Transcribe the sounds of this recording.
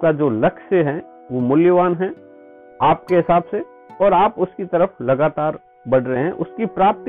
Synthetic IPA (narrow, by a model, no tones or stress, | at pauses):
kad͡ʒoːlɐkʃəɦɛ | ʋomʊljəʋaːnɦɛ̃ | aːp̚keɦɪsaːbse | ɔːɾaːpʊskit̪ɐɾəflɐɡaːt̪aːɾ | bɐɽ̤ɾəɦeɦɛ̃ʔʊskipɾaːp̚t̪